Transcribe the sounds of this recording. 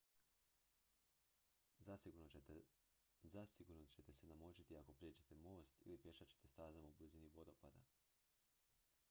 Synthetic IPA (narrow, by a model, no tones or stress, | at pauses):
zasiɡuɾno | zasiɡuɾnot͡ɕe̞t̪e̞senamot͡ɕit̪iako̞pɾed͡ʑe̞t̪e̞mo̞ːst̪ḭlipje̞ʃat͡ɕe̞̥t̪e̞st̪aːzamaubliziniʋo̞d̪o̞pa̰d̪a̰